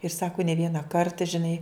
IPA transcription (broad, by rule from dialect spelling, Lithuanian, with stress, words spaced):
ɪr ˈsɑːkʊ nʲɛ ˈʋʲiɛnɐ ˈkɐrtɐ ʒʲɪˈnɐɪ